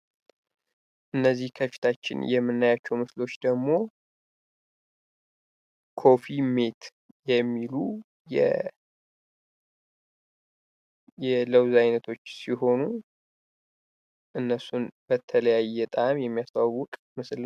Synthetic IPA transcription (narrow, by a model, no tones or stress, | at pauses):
ʔɨnːəzːihkʰəfi̥t̪ʰat͡ʃːɪ̰njɛmːɨnːajat͡ʃːɛwmɨslo̞t͡ʃːd̪əɡmo̞ | kʰo̞fime̞t̪ | jɛmːilu | jɛ̰ | jɛləwzajnət̪ʰo̞t͡ʃːsiɦo̞nu | ʔɨnːəsunbət̪ʰələjajːɛt̪ʼamjɛmːijast̪ʰawːʊkʼmɨsl